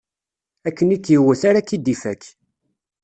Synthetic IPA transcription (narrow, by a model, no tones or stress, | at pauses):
ækːənikːjiwæθaɾakid̪ifækː